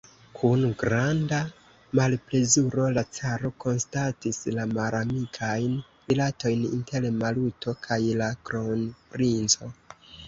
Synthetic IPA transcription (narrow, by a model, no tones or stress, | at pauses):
kʰunɡɾanda | malple̞zuɾo̞lat͡saɾo̞ko̞nstatislamalamikʰajn | vilato̞jnḭnte̞lmalutʰo̞kʰajlakɾonpɾint͡so̞